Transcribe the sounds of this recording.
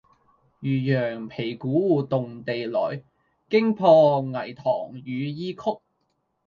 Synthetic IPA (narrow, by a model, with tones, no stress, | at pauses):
jyː˨jœː˨˩ŋpʰe˨˩jkuː˨˥wuː˨˩t̪ʊ˨ŋt̪e˨jlɔ̰ː˨˩j | kɪ˥ŋpʰɔː˧ŋɐ˨˩jt̪ʰɔ̰ː˨˩ŋjyː˨˧jiː˥kʰʊ˥k̚